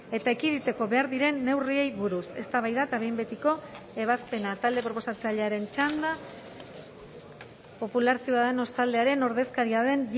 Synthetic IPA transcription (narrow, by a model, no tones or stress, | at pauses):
e̞t̪aekiðit̪e̞ko̞βe̞aɾðiɾe̞nːe̞wrie̞jβuɾuse̞st̪aβajðat̪aβe̞jmbe̞t̪iko̞e̞β̞aspe̞nat̪ald̪e̞pɾo̞po̞sat͡saʎeaɾe̞nt͡ʃand̪a | po̞pulaɾsioaðeno̞st̪ald̪e̞aɾe̞no̞ɾðe̞skaɾiaðe̞n